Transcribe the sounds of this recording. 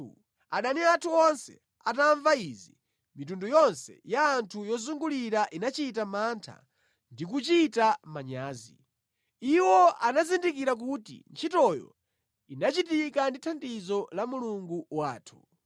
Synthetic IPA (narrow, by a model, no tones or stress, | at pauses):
aɗaniatʰuɔnsɛ̰ | ataɱvaizi | mitundujɔnsɛ̰jaːntʰujɔzuŋɡuliɾaʔinat͡ʃitamantʰa̰ | ndik̬ut͡ʃitamaɲaːzḭ | iwɔʔanazindikiɾak̬utḭnt͡ʃʰitɔjɔ̰ | inat͡ʃitikanditʰandizɔlamuluŋɡuwaːtʰu̥